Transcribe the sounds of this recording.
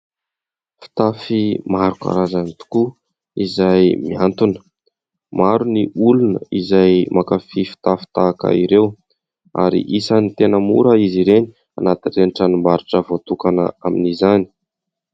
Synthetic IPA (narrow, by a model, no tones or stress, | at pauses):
fi̥t̪afimaɾuka̰ɾazanit̪u̥ku | izajmiant̪unə̥ | maɾuniʔulunə̰izajmakafifi̥t̪afi̥t̪aːka̰iɾew | a̰ɾḭʔisanit̪enəmṵɾəiziɾeni̥ | anat̪inreniʈ͡ʂənimaɾuʈ͡ʂəvot̪ukanə̰aminizani̥